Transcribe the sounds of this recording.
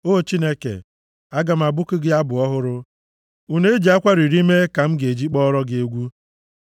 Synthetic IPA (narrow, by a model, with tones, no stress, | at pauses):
o˦˨t͡ʃi˦ne˦kḛ˨ | a˦ɡa˨m̩˨a˨bʊ˦kʊ˦ɡɪ˦a˦bʊ˨ɔ˦ɦʊ˦ɾʊ˦ | u˦ne˦e˦d͡ʒi˨a˦kʷa˦ɾi˨ɾi˦me˦ka˨m̩˦ɡe˨d͡ʒi˦k͡pɔ˦ɾɔ˦ɡɪ˦e˦ɡʷu˦